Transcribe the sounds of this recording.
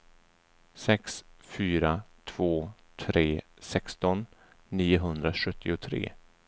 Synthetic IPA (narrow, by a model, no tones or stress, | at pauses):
sɛksfyːɾat̪ʰv̥oː | t̪ʰɾeː | sɛkst̪ɔnː | iːʊɦɵnd̪ɾaʂɵt̪ʰːɪʊt̪ʰɾḛː